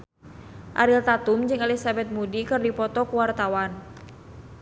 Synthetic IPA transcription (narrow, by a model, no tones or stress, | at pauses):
ʔa̰ɾilt̪at̪umd͡ʒɨŋɛlisabɛt̪̚mudikɨrdipɔt̪ɔkuwart̪awan